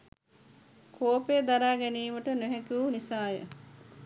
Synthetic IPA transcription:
kʰoːpeːd̪aɾaːɡæniːməʈənoɦɛkiunisaːjə̰

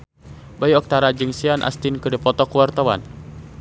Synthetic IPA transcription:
bajɔk̚t̪aɾad͡ʒɨŋsianʔa̰st̪inkɨdəpɔt̪ɔkuwart̪awa̰n

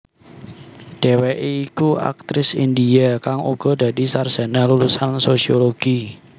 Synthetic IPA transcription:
ɖ̥e̤wɛʔeikua̰k̚t̪ɾɪsḭndiakaŋṵɡ̥ɔ̤d̥ä̤disard̥ʒ̥a̤nalulusansosioloɡ̥i

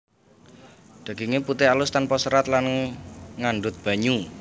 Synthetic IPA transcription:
d̪̥a̤ɡ̥iŋeput̪ɪalʊst̪anpɔsəɾat̪lan | ŋaɳɖʊt̪̚b̥a̤ɲu

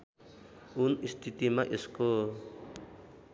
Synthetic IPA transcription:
unist̪it̪imaʔisko

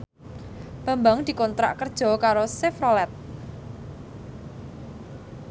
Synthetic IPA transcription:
b̥ä̤mbaŋd̪̥i̤kɔnt̪ɾa̰ʔkərd̥ʒ̥ɔ̤kaɾosɪfrɔlɛt̪̚

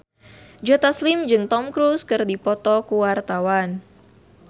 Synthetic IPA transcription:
d͡ʒɔt̪aslɪmd͡ʒɨŋt̪ɔmkɾuskɨrdipɔt̪ɔkuwart̪awan

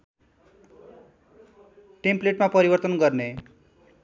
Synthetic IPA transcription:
ʈempleʈmapʌɾibʌrt̪ʌnɡʌrne

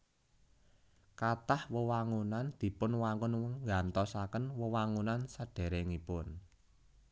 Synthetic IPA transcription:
kat̪ahwəwaŋunand̪̥i̤pʊnwaŋʊnwŋŋɡant̪ɔsakənwəwaŋunansəɖ̥ɛ̤ɾeŋipʊn

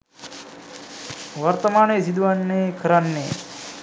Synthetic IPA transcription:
ʋɐɾt̪ɐmaːnejsid̪uʋanːeːkʰəɾanːḛː

